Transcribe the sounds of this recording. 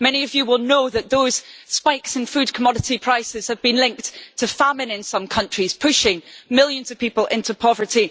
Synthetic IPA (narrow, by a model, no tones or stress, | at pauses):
mɛñiəvjəwɪlˠnoðəʔðoz̥spaɪksə̃nfʉd̚kʰəmɔɾɪʔipʰɹ̥aɪsɪz̥əvbĩnlˠɪ̃ŋk̚ttʰəfamɪ̃nɪ̃nsʌ̃mkʰʌ̃nt͡ʃɹ̥iz̥pʰʉʃɪ̃ŋmɪlˠjə̃nz̥ʌv̥pʰipəl̩ˠʔɪ̃ntʰʉpʰɔvə˞ʔi